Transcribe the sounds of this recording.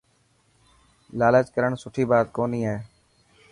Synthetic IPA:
laːləːt͡ʃkəɾəɳsʊʈʰiːbaːt̪koːnĩːaeː

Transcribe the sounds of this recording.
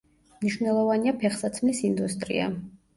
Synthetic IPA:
mniʃwnɛlˠɔvaniapʰɛχsat̪sʰmɛsind̪ust̪ʼɾḭa̰

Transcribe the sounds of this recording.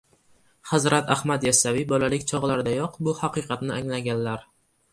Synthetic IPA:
hazɾat̪ahmat̪jasavibɒlalɪk̚ʲt͡ʃʰɒʁlaɾd̪ajɒqbʊhɑqɨqʰɑt̪nɪʔaŋlaɡʲanlaɾ

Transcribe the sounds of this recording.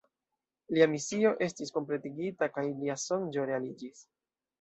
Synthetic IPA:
liamisio̞ʔe̞stisko̞mple̞tiɡitakajliaso̞nd͡ʒo̞ɾe̞alid͡ʒis

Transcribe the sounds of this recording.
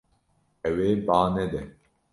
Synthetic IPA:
ɛweːbaːnɛd̪ɛ

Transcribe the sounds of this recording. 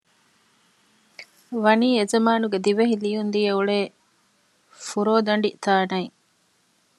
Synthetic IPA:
ʋɐniːezɐmaːnuɡed̪iʋeɦilijund̪ijeuɭeː | fuɾoːd̪ɐɳɖit̪aːnɐi

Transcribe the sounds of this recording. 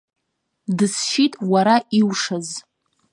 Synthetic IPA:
dɨsʃitʼwaɾaʔiwʂaz

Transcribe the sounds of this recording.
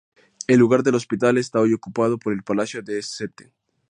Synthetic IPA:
e̞lːuɣaɾd̪e̞lo̞spit̪alest̪aojo̞kupað̞o̞po̞ɾe̞lpalasjo̞ðesset̪e

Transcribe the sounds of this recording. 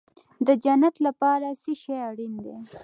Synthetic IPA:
d̪əd͡ʒanat̪lapɑɾasiʃeaɽind̪e

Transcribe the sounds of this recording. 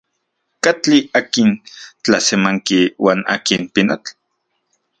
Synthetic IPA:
kat͡ɬiaːkint͡ɬasemaŋkiwaːna̰kinpinat͡ɬ

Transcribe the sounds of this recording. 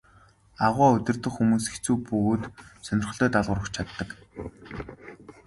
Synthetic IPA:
aʁʷaːɵt̪ʲɵ̆rt̪ɵ̆xxumuːsext͡suːpɵɣoːt̪sœnʲɪ̆rχ̆ɮt̪ːt̪aɮʁʊːɾə̆xt͡ɕʰat̪ːə̆k

